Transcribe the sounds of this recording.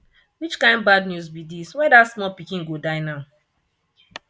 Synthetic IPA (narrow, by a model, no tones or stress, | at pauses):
wit͡ʃkãɪ̃n̚badnjusbidiswɛ̃datsmɔpikĩnɡodaɪnaʊ